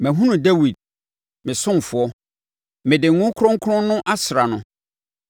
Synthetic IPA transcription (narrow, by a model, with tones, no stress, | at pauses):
mæ̃˨ɦũ˦nũ˨dɛ˦wi˨d̚ | mɪ̃˨sʊ̃˦m˨fʊ˨ɔ˦ | mɪ̃˨dɪ˨ŋ˦ŋʊ̃˦kʰʊ˦ɾʊ̃˦ŋ̩˦kʰʊ˦ɾʊ̃ː˦ʊ̃˦ʔa˦sɾa˨nʊ̃˨